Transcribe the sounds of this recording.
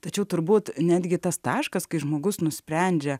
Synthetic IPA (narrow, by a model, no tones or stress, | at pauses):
t̪ɐt͡ʃʲɛʊt̪ʊɾbuːt̪nʲæːd̪ʲɡʲɪt̪ɐst̪ɑːʃkɐskɐɪʒmoːɡʊsnʊsʲpʲɾʲɛnʲd͡ʒʲɛ